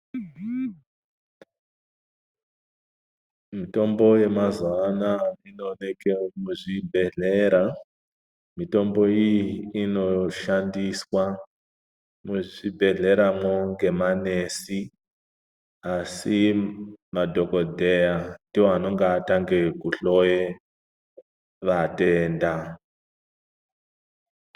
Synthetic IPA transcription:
mito̞mbo̞je̞mazanaino̞nekemuʐibʱe̞ɮe̞ɾa | mito̞mbo̞ijiino̞ʃandiswa | muʐibʱe̞ɮe̞ɾamoŋɡe̞mane̞si | asi | madʱo̞ko̞dʱe̞jandioano̞ŋɡaːtaŋɡe̞kuɬo̞je | ʋate̞ːnda

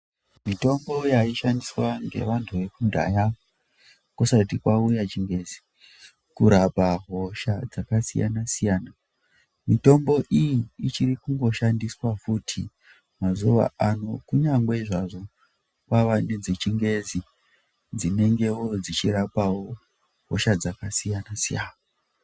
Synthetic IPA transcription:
mito̞mbo̞jaiʃandiswaŋɡe̞̰ʋantʰuʋe̞kundʱa̰ja | kusatikwaujat͡ʃiŋɡe̞zi̥ | kuɾapaɦo̞ʃad͡zakasija̰nasijaːna | mito̞mbo̞ʔijiːt͡ʃirikuŋɡo̞ʃandiswafutʰḭ | mazuʋa̰ano̞kuɲaŋɡweiʐaʐo̞ | kwaʋaned͡zet͡ʃiŋɡe̞zi | d͡zine̞ŋɡe̞wo̞d͡zit͡ʃiɾapawo | ɦo̰ʃad͡zakasijanasijaːna

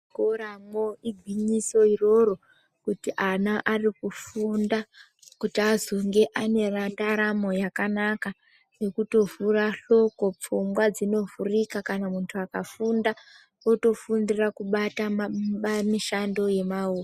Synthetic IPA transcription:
koɾamoiɡʱwiɲiso̞iro̞ɾo̞ | kutiʔanaʔarikufunda | kutiazoŋɡe̞ʔane̞randaɾamo̞jakanaka | ne̞kuto̞furaɬo̞ko̞p͡fumɡwad͡zino̞vurikakanamuntʰuakafunda | oto̞fundirakuɓatamamiʃando̞je̞mauː

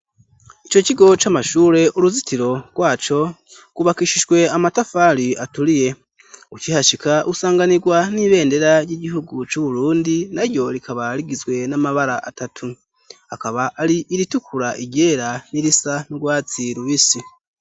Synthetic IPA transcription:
it͡ʃociɡo̞t͡ʃamaʃuːɾe̞ʔuɾuzitʰiɾo̞ɡ̥waːt͡ʃo̞ | ɡ̥uβakiʃiʒɡwe̞amatafaɾiatuɾije̞ | ut͡ʃihaʃikaʔusaːŋɡaniɡwaniβe̞ːnde̞ɾaɾjiɟiɦuɡut͡ʃuβuɾuːndinaɾjo̞ɾikaβaɾiɡizɡwe̞namaβaɾaʔatatʰu | akaβaːɾiʔːɾitukuɾaʔiɟe̞ːɾaniɾisanuɡwaːt͡siɾuβisi

